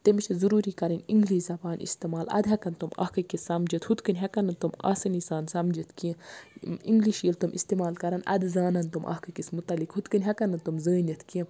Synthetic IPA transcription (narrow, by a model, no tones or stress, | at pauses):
t̪emit͡ʃʰɐzuɾuːɾiːkɐɾɐnʲḭŋɡliːzɐbaːnḭst̪emaːlɐ̰d̪ɦɐkɐnt̪umɐ̰hkɐkisɐmd͡ʒɐt̪hut̪kɨnʲɦɐkɐnɐnt̪uma̰ːsɐnisaːnsɐmd͡ʒit̪ʰkĩ | iŋɡliʃjilt̪umʔḭst̪imaːlkɐɾɐnɐ̰d̪zaːnɐnt̪umʔɐ̰hkɐkismut̪ɐlikɦut̪kɨnʲɦɐkɐnɐnt̪umzəːnɐt̪ʰkĩ